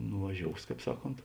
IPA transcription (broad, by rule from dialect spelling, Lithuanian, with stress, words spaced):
nʊʋɐˈʒʲoːʊs ˈkɑːp ˈsɑːˌkoːnt